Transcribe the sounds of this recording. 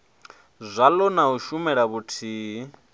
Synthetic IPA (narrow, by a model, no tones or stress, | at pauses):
zʷalɔnaɦuʃumɛɺaβutʰi